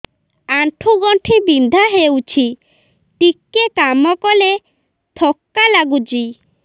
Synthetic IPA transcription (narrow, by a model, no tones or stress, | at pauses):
aɳʈʰuɡɔɳʈʰibind̪ʱaɦewt͡ɕʰi | ʈikːekamɔkɔle | t̪ʰɔkːalaɡud͡ʑi